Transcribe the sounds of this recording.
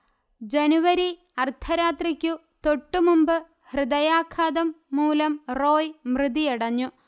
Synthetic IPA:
d͡ʑenuʋɐɾi | ɐrt̪ʰɐɾaːt̪rikʲːu | t̪o̞ʈːumumbɨ | hrɨd̪ɐjaːkʰaːd̪ɐmːuːlɐmro̞ːjmrɨd̪ijiɽɐɲːu

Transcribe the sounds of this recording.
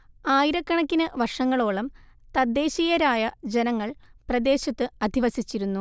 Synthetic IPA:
aːjiɾɐkːɐɳɐkʲːinɨʋɐrʂɐŋːɐɭoːɭɐmt̪ɐd̪ːe̞ːɕijɐɾaːjɐd͡ʑenɐŋːɐɭprɐd̪e̞ːɕɐt̪ːɨɐd̪ʱiʋɐsit͡ɕːiɾunːu

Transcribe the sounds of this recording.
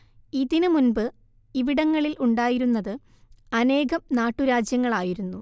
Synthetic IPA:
iːd̪inɨmunbɨ | iʋiɽɐŋːɐɭilʔuɳɖaːjiɾunːɐðɨ | ɐne̞ːɣɐmnaːʈːuɾaːd͡ʑjɐŋːɐɭaːjiɾunːu

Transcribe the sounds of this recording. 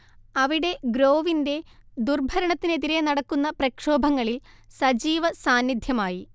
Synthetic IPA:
ɐʋiɽe̞ɡɾo̞ːʋinde̞d̪urbʱɐɾɐɳɐt̪ːineðiɾe̞nɐɽɐkːunːɐprɐkʂo̞ːbʱɐŋːɐɭilsɐd͡ʑiːʋɐsaːnːid̪ʱjɐmaːji

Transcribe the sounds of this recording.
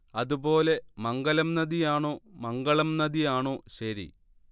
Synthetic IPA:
ɐðubo̞ːle̞mɐŋɡɐlɐmnɐðijaːɳoːmɐŋɡɐɭɐmnɐðijaːɳoːɕɐɾḭ

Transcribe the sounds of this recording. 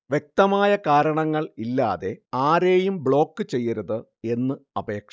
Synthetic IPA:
ʋjek̚t̪ɐmaːjɐkaːɾɐɳɐŋːɐɭilːaːðe̞aːɾe̞ːjumbɭo̞ːkːɨt͡ɕe̞jːɐɾɐðɨ | e̞nːɨɐbe̞ːkʂ

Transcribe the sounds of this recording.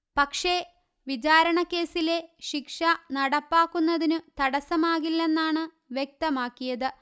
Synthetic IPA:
pɐkʂe̞ | ʋid͡ʑaːɾɐɳɐkːe̞ːsile̞ɕikʂɐnɐɽɐpːaːkːunːɐðinɨt̪ɐɽɐsɐmaːɣilːe̞nːaːɳɨ | ʋjek̚t̪ɐmaːkːijɐðɨ

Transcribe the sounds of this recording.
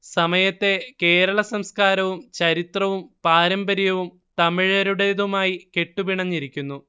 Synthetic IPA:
sɐmɐjɐt̪ːe̞ke̞ːɾɐɭɐsɐmskaːɾɐʋumt͡ɕɐɾit̪rɐʋumpaːɾɐmbɐɾjɐʋum | t̪ɐmiɻɐɾuɽeðumaːjike̞ʈːubiɳɐɲːiɾikʲːunːu

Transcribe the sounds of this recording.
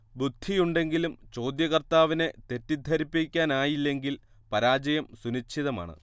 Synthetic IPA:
bud̪ʱːijuɳɖe̞ŋɡilumt͡ɕo̞ːd̪jɐɣɐrt̪aːʋine̞t̪e̞tːid̪ʱɐɾipːikʲːaːnaːjilːe̞ŋɡil | pɐɾaːd͡ʑɐjɐmsunit͡ɕʰiðɐma̰ːɳɨ̰

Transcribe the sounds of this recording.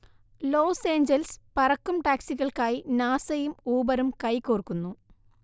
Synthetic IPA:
lo̞ːse̞ːɲd͡ʑɐlspɐrɐkːumʈaːksiɣɐɭkaːjinaːsɐjumuːbɐɾumkɐjkoːrkːunːu

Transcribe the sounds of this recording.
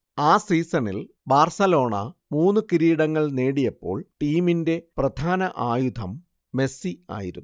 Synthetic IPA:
aːsiːsɐnil | baːrsɐlo̞ːɳɐ̰muːnːɨkiɾiːɽɐŋːɐɭne̞ːɽijɐpːo̞̰ːɭʈiːminde̞prɐd̪ʱaːnɐʔaːjud̪ʱɐmː | e̞sia̰ːjiɾunː

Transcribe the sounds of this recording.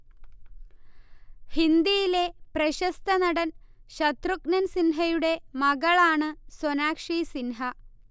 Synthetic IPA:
hind̪ijile̞prɐɕɐst̪ʰɐnɐɽɐn | ɕɐt̪ruknɐnsinɦɐjuɽe̞mɐɣɐɭaːɳɨsonaːkʂiːsinɦɐ

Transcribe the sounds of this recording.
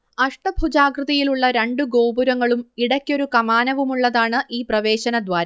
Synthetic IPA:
ɐʂʈɐbʱud͡ʑaːɡrɨðɐjiluɭːɐɾe̞ɳɖuɡo̞ːbuɾɐŋːɐɭumiɽɐkʲːo̞ɾukɐmaːnɐʋumuɭːɐðaːɳɨʔiːprɐʋe̞ːɕɐnɐd̪ʋaːɾɐ

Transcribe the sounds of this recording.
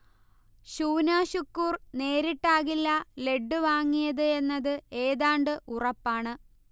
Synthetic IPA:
ɕuːnaːɕukːuːrne̞ːɾiʈːaːɣilːɐle̞ɖːɨʋaːŋːijɐðɨe̞nːɐðɨe̞ːðaːɳɖɨʔurɐpːaːɳɨ

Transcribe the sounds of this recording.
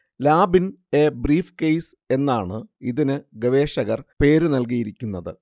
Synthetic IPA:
laːbin | e̞ːbriːfkejs | e̞nːaːɳɨiðinɨɡɐʋe̞ːʂɐɣɐrpe̞ːɾɨnɐlk̬ijiɾikʲːunːɐðɨ

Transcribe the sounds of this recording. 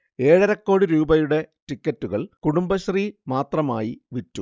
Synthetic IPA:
e̞ːɻɐɾɐkːo̞ːɽiɾuːbɐjuɽe̞tikːɐtːuɣɐɭkuɽumbɐɕrimaːt̪rɐmaːjiʋitːṵ

